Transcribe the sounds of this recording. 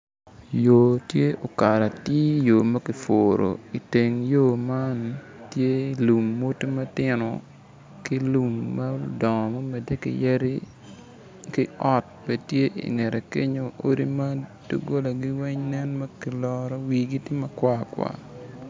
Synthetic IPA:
jo˨tje˦ʔo˨ka˨ɾa˨tɪ˦jo˨mɐ˦kɪ˨fo˨ɾo̰˨i˨te˨ŋjo˦˨ma˦n | tje˦lu˨mːo˦to˦mɐ˦tɪ˦nɔ̰˨ | kɪ˦lu˨mːɐ˦dɔ˨ŋɔ˨mo˦me˨de˦kɪ̰˨jɛ˦ɾi˦ | kɪ˦ɔ˦t̚pe˨tje˦ʔḭ˨ŋɛ˨ɾe˨ke˦ɲo˨ʔo̰˦ɾi˦mɐ˦d̥o̰˦ɡo˦la˨ɡi˦wɛ˦ɲnɛ˦nmɐ˦kɪ˨lɔ˦ɾɔ˦wi˨ɡi˦tɪ˦mɐ˦kwa˦˨kwa̰˨

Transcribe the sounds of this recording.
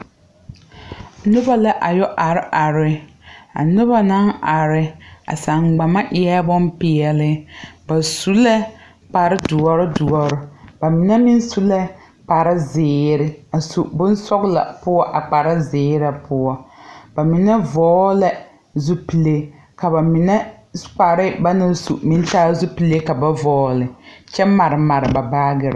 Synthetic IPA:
nʊ˦ba˦la˦ʔa˨jɔ˦ʔa˨ɾɪ˦ʔa˨ɾɪ˦ | a̰˨nʊ˦ba˦na˦na˨ɾɪ˦a̰˨sa˨ŋɡ͡ba˨ma˦ʔɪ˦ɛ˦bɔ˦mpɪ˨ɛ˨lɪ˦ba˨su˦lɛ˦ | k͡pa˨ɾɪ˦dʊ˨ɔ˨ɾɪ˦dʊ˨ɔ˨ɾɪ˦ba˨mɪ˨nɛ˦mɪ˦nsu˦lɛ˦ | k͡pa˨ɾɪ˦zɪː˨˦ɾɪ˦a˨sṵ˨bʊ˦n˦sɔ˦ɣla̰˨pʊ˦ɔ˦ʔa˨k͡pa˨ɾa˦zɪː˨˦ɾa˨pʰʊ˦ɔ˦ba˨mɪ˨nɛ˦vɔː˦la˦ | zu˦pi˨le˦ | ka˨ba˨mɪ˨nɛ˦ | k͡pa˨ɾɪ˦ba˦na˦˨sṵ˨mɪ˦n˦taː˦zu˦pi˨le˦ka˨ba˦vɔː˦lɪ˨t͡ʃɛ˦ma˨ɾɪ˨ma˨ɾɪ˨ba˨baː˦ɡɪ˨ɾɪ̰˦

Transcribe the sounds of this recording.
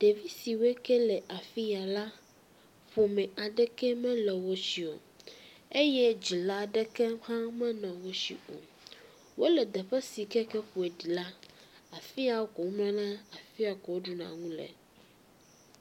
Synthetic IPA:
ɖ̥e˨vi˦si˨wɛ˦kɛ˦lɛ˨ʔa˨fi˦a˨la˦ | ɸo˨mɛ̃˨a˨ɖɛ˦kɛ˦mɛ̃˦lɛ˨wo˦si˨o̰˨ | e˦jɛ˦d͡ʑi˨la˦ɖɛ˦kɛ˦hã˦mɛ̃˦nã˨wo˦sḭ˨o̰˨ | wo˦lɛ˨d̪ɛ˨ɸɛ˦si˨kɛ˦kɛ˦ɸu˨ɛ˨ɖi˨la˦a˨fi˦a˨wo˦kɔ˨wo˦mlã˦nã˦a˨fi˦a˨kɔ˨wo˦ɖu˨nã̰˨ŋũ˦lɛ̰˨

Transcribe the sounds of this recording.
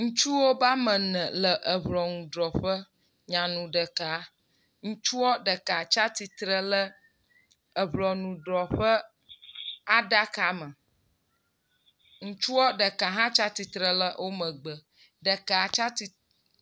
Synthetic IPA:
ŋũ˦t͡ʃu˦wo˦ba˦mə̃˨nə̃˨lə˨ʔə˨βlɔ˨nũ˨ɖɾɔ˨ɸə˦ | ɲã˨nũ˨ɖə˨ka˨˦ | ŋũ˦t͡ʃu˦wɔ˦ɖə˨ka˨t͡ʃa˦t̪i˨t̪ɾə˦lə˦ | ə˨βlɔ˨nũ˨ɖɾɔ˨ɸə˦ | a˦ɖa˦ka˨˦mə̃˨ | ŋũ˦t͡ʃu˦wɔ˦ɖə˨ka˨ɦã˦t͡ʃa˦t̪i˨t̪ɾə˦lə˦wʔo˦mə̃˨ɡ͡bə˨ | ɖə˨ka˨t͡ʃa˦t̪i˨

